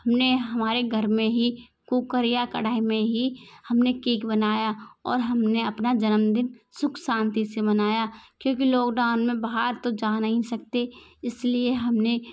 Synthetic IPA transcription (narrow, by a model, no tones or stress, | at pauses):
hɐmneɦɐmaːɾeɡʱɐɾmẽɦi | kuːkəɾijakɐɽaːimẽɦihɐmnekiːkbɐnaːjaɔ̰ːɾɦɐmneɐpnad͡ʒɐnəmd̪ɪnsʊkʰsãːnt̪isebɐnaːjakjõːkiloːɡd̪aːnmẽbaɦaɾt̪od͡ʒaːnɐɦĩsɐk̚t̪eɪslieɦɐmne